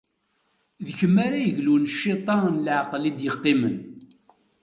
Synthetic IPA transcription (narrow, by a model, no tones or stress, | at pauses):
ðəçəmːaɾajəʝlunʃːit̪ˤɑnlʕqlid̪jəqːimən